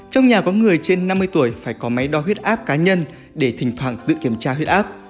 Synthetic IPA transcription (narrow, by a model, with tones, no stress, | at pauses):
t͡ɕɔ˧wŋ͡mɲaː˨˩kɔ˨˦ŋɨ˨˩əjt͡ɕe˧nːa˧mːɨ˧əjt̪u˧˩əjfaː˧˩jkɔ˨˦ma˨˦jɗɔ˨˦ɦwi˦˥ət̚ʔaː˦˥p̚kaː˨˦ɲə˧n | ɗe˧˩t̪ʰï˨˩ŋ̟t̪ʰwaː˧˩ŋt̪ɨ̰˧˨ki˧˩əmt͡ɕaː˧ɦwi˦˥ət̚ʔaː˦˥p̚